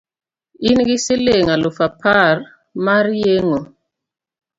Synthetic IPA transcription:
inɡisileŋalofapʰaɾ | maɾjeŋo

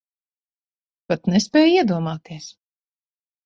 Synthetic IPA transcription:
pat̪nɛspʲɛːjiɛd̪uɔmaːt̪iɛs

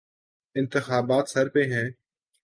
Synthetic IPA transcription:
ɪ̃nt̪ɪxaːbaːt̪səɾpẽːɦɛ̃ː

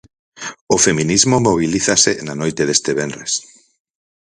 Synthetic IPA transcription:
ofemĩnizmomoβ̞iliθasenanojt̪eðest̪eβenɾes

